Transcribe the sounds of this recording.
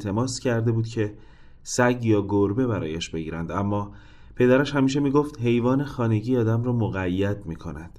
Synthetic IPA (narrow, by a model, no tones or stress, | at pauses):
t̪ʰe̞mɒːscʰæɾd̪e̞buːd̪̥cʰe̞ | sæɟjɒːɡoɾbe̞bæɾɒ̰ːjeɛːʃbe̞ɟiːɾænd̪æmːɒː | pʰe̞d̪æɾæʃhæmiːʃ̬e̞miːɡoft̪ɦe̞jvɒːnexɒːne̞ɟiːɒːd̪æmrɒːmoɣæjːæd̪̚miːkʰo̞næd̪̥